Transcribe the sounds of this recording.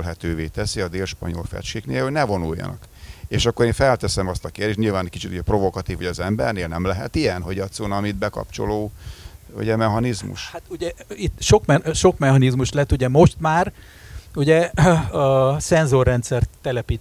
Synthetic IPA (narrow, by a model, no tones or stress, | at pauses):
lɦɛt̪øːveːt̪ɛsiɒd̪eːlʃpɒ̰ɲo̞̰lfɛ̰t͡ʃkeːknḛːlhoɟnɛvo̞nujːɒ̰nɒ̰k | eːʃɒkːo̞ɾeːɱfɛlt̪ɛsɛmɒst̪ɒkeːrd̪eːʃɲilvaːnkit͡ʃit̪uɟɛpro̞vo̞kɒt̪iːvʋɒ̰ɟɒzɛmbɛ̰rneːlnɛmlɛɦɛt̪ijɛnɦo̞ɟɒt̪sonɒmid̪bɛkɒ̰p̚t͡ʃo̞̰loː | ṵɟɛmɛɦɒnizmṵʃhat̪uɟɛit̪ːʃo̞kmɛʃo̞kmɛɦɒnizmuʃlɛt̪ːuɟɛmo̞ʃt̪maːr | uɟɛ | sɛnzorːɛnt̪sɛrt̪ːɛlɛpiːt̪